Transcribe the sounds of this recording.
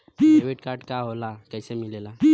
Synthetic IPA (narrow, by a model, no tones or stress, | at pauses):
ʋeʈkaːɾɖkaɦolakɛɪsemɪlela